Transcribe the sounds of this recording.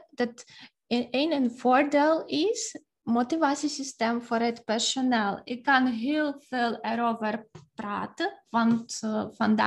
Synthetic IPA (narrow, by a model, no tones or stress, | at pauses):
dɑt | enənvoːɹdeːlˠɪs | motivaːtsisisteːmvʊːɾɦətpɛɹsonɛlˠɪkːɑnɦɪːlˠv̥eːlˠɛɾowvərpra̰ːtəʋɑntfɑnda